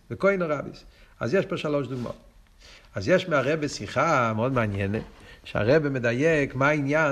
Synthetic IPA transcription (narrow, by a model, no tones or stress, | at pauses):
vɪkoɪnoʁabḭsa̰zjɛʃpaʃalˠoʃduɡmɔ̰ | azjɛʃmɪaʁɛbesiχamɔdmanjɛnəʃa̰ʁɛbemɪdajɛkmainja